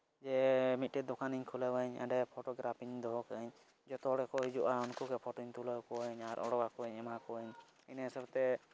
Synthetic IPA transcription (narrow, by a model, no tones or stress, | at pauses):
d͡ʒɛmit̪̚ˀʈɛd̪ɔkaniɲkʰuləwəɲə̰ɖɛpʰɔʈɔɡɾapʰiɲd̪ɔɦɔkəɲ | d͡ʒɔt̪ɔɽɛkɔɦid͡ʒuʔaɔnkukɛpʰɔʈɔɲt̪uləwkɔəɲaɾʔɔ̰ɽɔkakɔəɲɛmakɔəɲ | inɛsɛbt̪ɛ